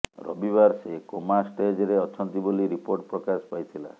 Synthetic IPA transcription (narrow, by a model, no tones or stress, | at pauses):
ɾɔ̰bibaɾsekomasʈed͡ʒɾeɔt͡ʃʰɔnt̪iboliɾipoɾʈpɾɔkaspajt̪ʰila̰